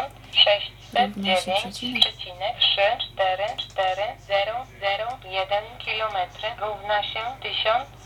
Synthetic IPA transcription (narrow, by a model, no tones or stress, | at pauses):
nt̪ʂɛɕt͡ɕsɛd̪̚d͡ʑevʲjeɲt͡ɕpʂɛt͡ɕinɛkʂɘt͡ʂt̪ɛɾɘt͡ʂt̪ɛɾɘzɛɾɔzɛɾɔjɛd̪ɛnkʲilɔmɛt̪ɾɘɾuvnaɕɛt̪ɘɕɔnt̪s